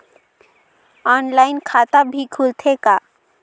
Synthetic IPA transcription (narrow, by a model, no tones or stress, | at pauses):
ɔːnlaːɪnkʰaːt̪abʱikʰult̪ʰeka